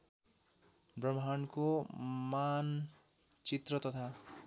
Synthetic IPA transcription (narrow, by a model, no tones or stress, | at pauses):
brʌmɦankoman | t͡sit̪rʌt̪ʌt̪ʰa